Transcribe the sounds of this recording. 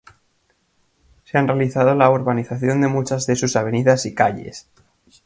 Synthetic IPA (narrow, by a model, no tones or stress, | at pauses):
seanrealiθað̞olaoɾβaniθaθjo̞nd̪emut͡ʃazðe̞susaβ̞e̞niðasikaʎe̞̰s